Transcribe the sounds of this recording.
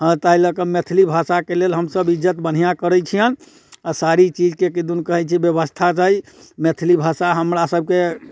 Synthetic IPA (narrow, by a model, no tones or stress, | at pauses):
ɦə̃t̪ailəkəmet̪ʰilibʱasakelelɦəmsəbid͡ʒət̪bən̤ijakəɾɛt͡ʃʰijən | asaɾit͡ʃid͡ʒkekid̪unkəɦɛt͡ʃʰibjəbəst̪ʰat͡ʃaɦimet̪ʰilibʱasaɦəmɾasəb̚ke